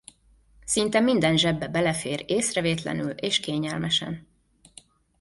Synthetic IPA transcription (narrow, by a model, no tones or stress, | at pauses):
sint̪ɛmind̪ɛnʒɛbːɛbɛlɛfeːɾeːsrɛveːt̪lɛ̰nyleːʃkeːɲɛlmɛʃɛ̰n